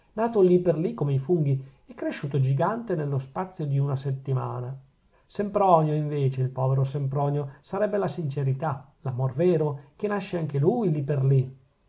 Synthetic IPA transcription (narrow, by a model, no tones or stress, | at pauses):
naːt̪oliperlikːomeifuŋɡi | ɛkːɾeʃːuːt̪od͡ʒiɡant̪enelːospat̪sːjod̪iunaset̪ːima̰ːna | sempɾɔːnjoiɱveːt͡ʃeilpɔːveɾosempɾɔːnjosaɾɛbːelasint͡ʃeɾit̪a | lamorveːɾok̟enaʃːeaŋk̟elujliperli